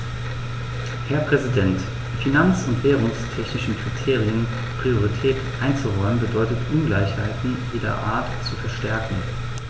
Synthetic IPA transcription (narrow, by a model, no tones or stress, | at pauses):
hɛɐpʁ̥ɛzidɛntː | finant͡sʊntv̥eːʁʊŋstʰɛçnɪʃn̩kʁ̥itʰeːʁiən | pʁ̥ioʁitʰɛːtʔaɪnt͡suʁɔʏmənbədɔʏtətʔʊnɡlaɪçhaɪtn̩jeːdɐ̰ʔa̰ːɐtt͡sufɛɐʃtɛɐkŋ̩